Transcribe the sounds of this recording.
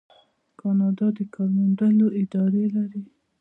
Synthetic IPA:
kɑnɑd̪ɑd̪əkɑɾmanɖaloʔɪd̪ɑɾelaɾi

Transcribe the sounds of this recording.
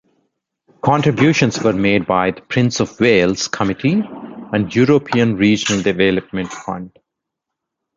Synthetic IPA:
kʰɔ̃ɳʈɾɪbjuːʃə̃nzʋəɾmeːɖ̚baɪd̪əpʰɾɪ̃nsɔʋweːlz̥kʰəmɪʈʰiæ̃ɳɖjuːɾopʰiə̃nɾiːd͡ʒənəlɖɪʋeːləp̚mə̃ɳʈfʌ̰̃ɳɖ

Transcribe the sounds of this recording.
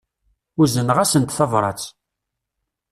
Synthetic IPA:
ʊɾzənʁæsənt̪θɑvɾˤɑ̰t͡s

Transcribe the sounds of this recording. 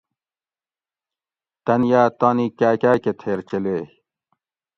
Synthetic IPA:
t̪ɐnjaːt̪aːnikæːkæːket̪ʰeːɾt͡ɕeleː

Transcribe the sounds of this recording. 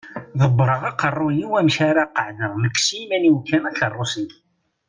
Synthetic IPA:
ðəbːɾˤəʁɑqərˤːʊniwæmçaɾaqəʕðəʁməkːsimæniwkːænæɬərˤːʊsən

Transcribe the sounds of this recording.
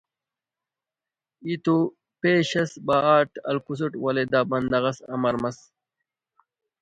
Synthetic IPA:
it̪u | peːɕɐsbaːaːʈɐ̰lkus̬uʈwɐled̪aːbɐnd̪ɐɣɐsɐ̰mɐɾmɐs

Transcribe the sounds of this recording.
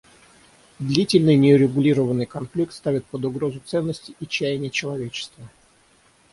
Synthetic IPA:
d̪lʲitʲɪlʲnɨjnʲɪʊɾʲɪɡʊlʲiɾəvənːɨjkɐnflʲik̚t̪st̪avʲɪt̪̚pəd̪ʊɡɾo̞zʊt̪sɛnːəsʲtʲɪʔit͡ɕæjɪnʲɪjət͡ɕɪlˠɐvʲet͡ɕɪ̥st̪və

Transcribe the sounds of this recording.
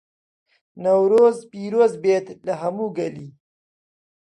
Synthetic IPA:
nawɾozpiɾoːzbet̪laɦamuɡali

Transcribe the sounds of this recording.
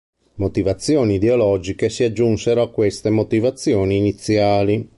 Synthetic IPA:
mot̪ivat̪sːjɔːniːd̪eolɔd͡ʒikesiad͡ʒːunseɾoakːwest̪emot̪ivat̪sːjɔːniːnit̪sːjaːli

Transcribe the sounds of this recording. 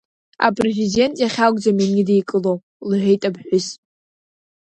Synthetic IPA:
a̰pʼrezide̞ntʼjaχʲaɡʷʼd͡zaminʲidejkʼɨlo | lħʷᶣejtʼabħʷᶣʊs

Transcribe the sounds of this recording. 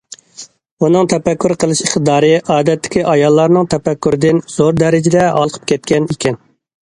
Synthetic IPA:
unɨŋt̪ʰɛpækʲːyɾqʰəlˠɨʃiχt̪ɨd̪ɑːɾɨʔɑːd̪ɛt̪ːɪ̥kʲiʔɑjɑlˠːɑɾnɨŋt̪ʰɛpækʲːyɾɪd̪ɪnz̥oɾd̪ɛɾɪd͡ʒɪd̪ɛɑ̰lˠqʰə̥p̚kʲʰɛt̪̚kʲʰɛnikʲɛn

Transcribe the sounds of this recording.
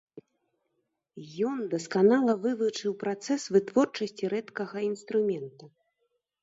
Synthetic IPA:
jɔnd̪ɐskanalˠɐvɨvɨt͡ʂɨwpɾat̪sɛsvɨt̪vɔrt͡ʂɐsʲt͡sʲiɾɛt̪kɐɣɐinst̪ɾumʲɛnt̪u

